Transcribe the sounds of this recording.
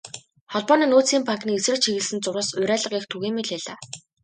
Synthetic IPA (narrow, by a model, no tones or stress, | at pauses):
χɔɮpɔːniːnoːt͡siːmpaŋkniːesrɘ̆t͡ɕʰiɣɘ̆ɮsɘ̆nt͡sʊɾə̆sʊɾʲæːɮə̆qext̪ʰuɣeːmiɮeːɮaː